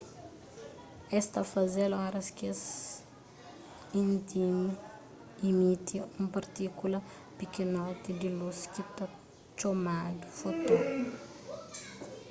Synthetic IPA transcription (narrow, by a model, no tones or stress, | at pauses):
est̪afazelaɾɐskes | int̪imi | imit̪iumpaɾt̪ikulə | pikinɔt̪id̪ilusi̥kit̪a | t͡ʃomad̪u̥fot̪o